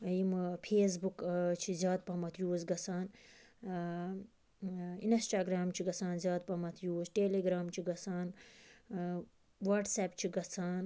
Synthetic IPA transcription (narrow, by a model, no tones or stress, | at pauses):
ɐjimpʰeːs̬bukt͡ʃʰizʲjaːd̪̚pɐmɐt̪ʰjuːzɡɐsʰaːn | insʈaːɡɾaːmt͡ʃʰiɡɐsaːnzjaːd̪̚pɐmɐt̪ʰjuːzʈeːleːɡɾaːmt͡ʃʰiɡɐsaːn | ʋɐɖsɛːpt͡ʃʰiɡɐt͡sʰaːn